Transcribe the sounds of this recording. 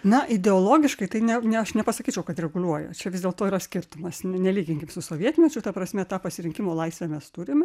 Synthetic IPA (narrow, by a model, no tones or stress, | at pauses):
nɐʔɪd̪ʲɛoːlˠoːɡʲɪʃkɐɪt̪ɐɪnʲɛnʲɛɐʃnʲɛpɐsɐkʲiːt͡ʃʲɛʊkɐt̪rʲɛɡʊlʲuɔjɛ̰t͡ʃʲɛʋʲɪzd̪ʲeːlˠt̪oːiːɾɐsʲkʲɪrt̪ʊmɐsnʲɛlʲiːɡʲɪŋʲkʲɪmsʊsoːʋʲiɛt̪ʲmʲiɛt͡ʃʲʊt̪ɐpɾɐsʲmʲɛt̪ɑːpɐsʲɪɾʲɪŋkʲɪmoːlˠɐɪsʲʋʲæmʲɛst̪ʊɾʲɪmʲ